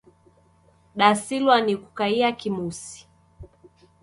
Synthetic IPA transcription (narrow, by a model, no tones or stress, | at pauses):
ɗasilwaniku̥kaiakimusi̥